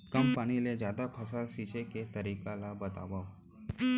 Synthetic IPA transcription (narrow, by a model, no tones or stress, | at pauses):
kəmpañiled͡ʒjad̪apʰəsalʃit͡ʃeket̪əɾikalabət̪a̰ʋaʋ